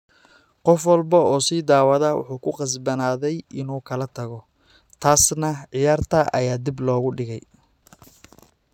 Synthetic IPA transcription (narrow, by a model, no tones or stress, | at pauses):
qɔfwɑlbɐɔːsiːd̪aːwɐðɐwʊ̰ħuːkʰʊqɑs̬bɐnaːðɛjʔɪnuːkʰɐlɐt̪ʰɐɣɔ | t̪ʰaːsnɐʕɪjaːrt̪ʰɐʔɐ̰jaːd̪iblɔːɣʊɖɪɣɛj